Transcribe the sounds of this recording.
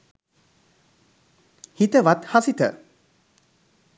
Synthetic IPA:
hit̪əʋat̪hasit̪ə̰

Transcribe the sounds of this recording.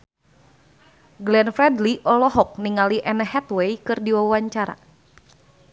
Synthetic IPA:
ɡlɛnfɾɛdliʔɔlɔɦɔk̚niŋaliʔɛnəɦɛt̪wejkɨrdiwawaɲt͡ʃaɾa̰

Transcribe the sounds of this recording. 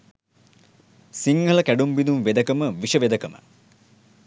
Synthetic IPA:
siŋɡɐləkæɖumbid̪umʋed̪əkəməʋiʂəʋed̪əkəmə̰

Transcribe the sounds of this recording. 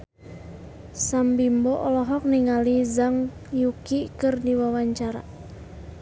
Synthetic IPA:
sambimbɔʔɔlɔɦɔk̚niŋalizaŋjukikɨrdiwawaɲt͡ʃaɾa̰

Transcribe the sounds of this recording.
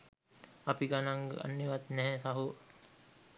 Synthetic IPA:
apiɡanaŋɡə̰a̰nːiʋat̪nɛɦɛsaɦu

